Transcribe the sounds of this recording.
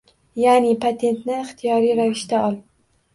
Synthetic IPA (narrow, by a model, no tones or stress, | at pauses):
jaːnɪpʰat̪ʰe̞nt̪nɪɪχt̪ʰijɒɾijɾavɪʃt̪aɒlˠ